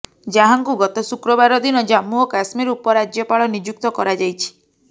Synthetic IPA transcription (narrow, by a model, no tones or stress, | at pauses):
d͡ʒaɦaŋkuɡɔt̪ɔsukɾɔbaɾɔd̪inɔd͡ʒamuɔkasmiɾupɔɾad͡ʒjɔpaɭɔnid͡ʒuk̚t̪ɔkɔɾad͡ʒajt͡ʃʰi̥